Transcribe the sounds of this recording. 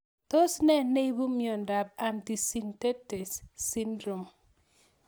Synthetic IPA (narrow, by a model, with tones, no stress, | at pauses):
to˦snɛ˦ne˦bu˦mjɔ˨nda˨b̚a˨nti˨si˦nte˦te˨sːi˦ndɾo˨m